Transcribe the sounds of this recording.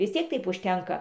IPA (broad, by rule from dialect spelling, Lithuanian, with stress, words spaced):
ʋʲɪs ˈtʲiɛk ˈtɐɪp ʊʃʲˈtʲɛŋkɐ